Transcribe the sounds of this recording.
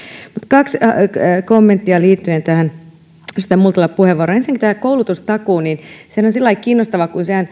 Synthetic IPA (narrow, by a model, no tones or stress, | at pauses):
mut̪kɑkskomːent̪ːiɑliːt̪ːyent̪æhæn | st̪æmult̪ɑlːɑppuheʋːoɾoensiŋkit̪æhækoulut̪ust̪ɑkuːninsehænonsilːɑikiːnːost̪ɑʋɑkunsehæn